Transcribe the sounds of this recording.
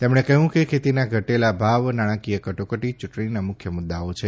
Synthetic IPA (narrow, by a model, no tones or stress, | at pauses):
t̪emɽ̃ekəɦjũkekʰet̪inaɡʱəʈelabʱaʋnaɽ̃ãkijəkəʈokəʈit͡ʃuʈɳ̃inamʊkʰjəmʊd̪ːaot͡ʃʰe